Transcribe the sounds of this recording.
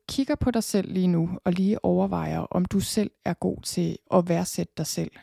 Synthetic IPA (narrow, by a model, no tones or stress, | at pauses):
kʰiɡ̥ɐpʰɒ̽ɾɑ̈ɪsel̰liːnuɒ̽liːʔɒʊɐʋɑ̈ɪ̰ɐʔɒ̽md̥usel̰æɐɡ̥o̝̰ːt͡sʰe̝ʔɒ̽ʋæɐsed̥əd̥ɑ̈ɪsel̰